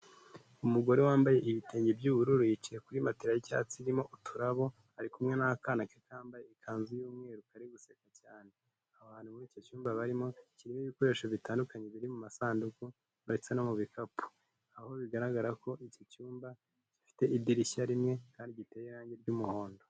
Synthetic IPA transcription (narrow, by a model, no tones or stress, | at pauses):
umuɡo̞ɾewaːmbaje̞ʔiβite̞ːɲɟebjuːβuɾuɾujit͡ʃiɾekuɾimatiɾajica̰ːt͡siɾimo̞ʔutʰuɾaβo̞ | aɾikumŋe̞nakanakiekaaːmbajeikʰaːnzujuːmŋeːɾukaɾiɡuse̞kacaːne | aβaːn̥humuɾiːco̞cuːmbaβaɾimo̞ciɾimiβiko̞ɾe̞ːʃoβitaːndukaɲe̞βiɾimumasaːnduku | βaɾet͡se̞no̞muβikapʰu̥ | aho̞βiɡaɾaɡaɾako̞ʔicocuːmba | cifi̥te̞ibdiɾiçaɾimŋe̞kaːndiɟite̞ːjeɾaːɲɟe̞ɾɟumuho̞ːndo̞